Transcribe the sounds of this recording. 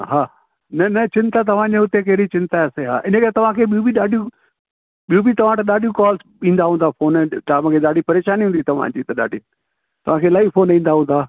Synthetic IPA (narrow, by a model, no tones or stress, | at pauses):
ɦaː | nɐnɐt͡ɕɪ̃nt̪at̪̬ɐʋ̤ãd͡ʑẽɦʊt̪ek̬eːɾit͡ɕɪ̃nt̪aɐseɦa̰ːʔɪnəkɐɾet̪ɐʋ̤ãkʰeːɓijubʱiɗaːɖʱijũ | ɓijubʱit̪ɐʋ̤ãʈ̪ɐɗaːɖʱijũkɔːls | ĩːn̆d̪aɦũːnd̪afʰoːnʈaːm̃kʰeːɗaːɖʱipɐɾeːʃaːniɦũːd̪it̪ɐʋ̤ã̰d͡ʑiːt̪ɐɗa̰ːɖʱĩ | t̪ɐʋ̤ãkʰeːlaːifoːnĩːn̆d̪aɦũːnd̪aː